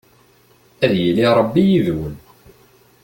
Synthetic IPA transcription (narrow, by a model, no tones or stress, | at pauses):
æðjəliɾˤəbːijiðwən